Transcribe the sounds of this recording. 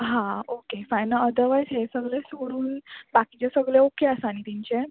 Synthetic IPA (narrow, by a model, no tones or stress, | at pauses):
ɦãokefajnəəd̪əʋajsɦesəɡlesoɾuːnbakit͡ɕesəɡleokeəsañit̪iɲt͡ɕe